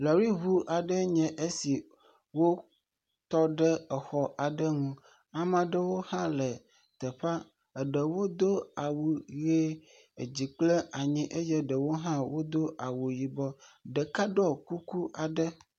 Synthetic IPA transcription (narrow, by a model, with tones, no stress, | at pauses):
lɔ˨ɾi˦ɦu˦ʔa˨ɖə˦ɲɛ̃˨ʔe˦si˨ | wo˦ | t̪ɔ˦ɖɛ˦ɛ˨xɔ˨ʔa˨ɖə˦ŋũ˦ | a˨mã˨ɖə˦wo˦hã˦lɛ˨ | t̪ə˨ɸa˦ | ə˨ɖə˨wo˦d̪o˦a˨wu˨ɣe˦ | e˨d͡ʑi˨k͡ple˦a˨ɲĩ˦ʔe˦jɛ˦ɖə˨wo˦ɦã˦wo˦d̪o˦ʔa˨wu˨ji˨bɔ˦ɖɛ˨ka˦ɖɔ˦ku˦ku˦ʔa˨ɖə˦